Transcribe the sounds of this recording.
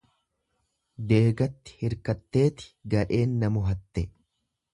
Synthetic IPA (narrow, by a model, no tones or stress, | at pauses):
d̪e̞ːɡɐt̪ːɪ̥hɪɾkɐt̪ːe̞ːt̪ɪ̥ɡɐᶑe̞ːnːɐmʊɦɐt̪ːɛ